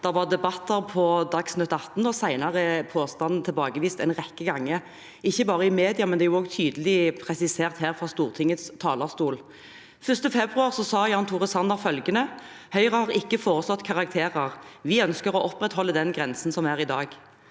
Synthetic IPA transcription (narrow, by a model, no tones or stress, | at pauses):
d̪̥ɛʁʋɑʁd̪ɛbɑt̪ːəʁpʰɔd̪ɑksnœt̪ːɑt̪n̩ɔsæɪnɑʁəpʰoːst̪ɑnn̩t̪ʰɪlbɑːɡəʋiːst̪ɛɪnʁɛkːəɡɑŋːə | ɪçːəbɑːʁəɪmeːd̪ɪɑmɛnd̪ɛːjʊɔːɡt̪ʰyːd̪əlɪpʰʁɛsɪseːʁt̪heːʁfʁɑst̪uːʁt̪ʰɪŋət̪st̪ʰɑːlɑʁst̪uːl | fʏʁst̪əfɛbʁʉɑːʁsɔsɑːjɑːnt̪ʰuːʁəsɑnːɑʁfœlɡənə | hœʏʁəhɑːʁɪkːəfoːʁəst̪ɔt̪ːkʰɑʁɑk̚t̪ʰeːʁɑʁʋɪœnskəʁɔʔɔpʁɛt̪hɔlːəd̪ɛnɡʁɛnsn̩sɔmæʁɪd̪ɑːɡ